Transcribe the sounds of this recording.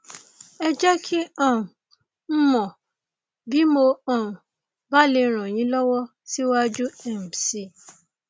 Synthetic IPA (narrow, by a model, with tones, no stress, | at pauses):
ɛ˧d͡ʒɛ˦kʰi˦ɔ̃˦˨ũ˨ | m̩˦mɔ̃˨ | bi˦mo˧ɔ̃˨ũ˨ | ba˦le˧ɾ̃ã˨j̃ĩ˨˦lɔ˦wɔ˦ | si˦wa˦d͡ʒu˦ɛ˦˨m˨si˨